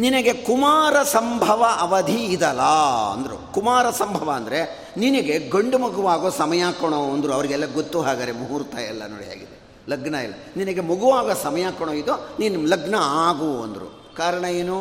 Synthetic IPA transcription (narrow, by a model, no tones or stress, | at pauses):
ninɐɡe̞kumaːɾɐsɐmbʱɐʋɐʔɐʋɐd̪ʱiːd̪ɐlaːɐ̰nd̪ɐɾṵkumaːɾɐsɐmbʱɐʋɐːnd̪ɐɾe̞ | ninɐɡe̞ɡɐɳɖumuɡuʋaːɡoːsɐmɐjaːkɐɳoɐnd̪ɾuɐʋɐɾiɡɛlːɐɡot̪ːuɦaːɡɐːɾemuɦuːɾt̪ɐːjɐlːɐ̰no̰ːɽija̰ːɡid̪e | lɐɡnɐɛlːɐninɐɡe̞muɡuʋaːɡoːsɐmɐjaːkɐɳ̃oːid̪uninulɐɡnɐaːɡuːɐ̰nd̪ɾṵ | kaːɾɐɳɐeːnu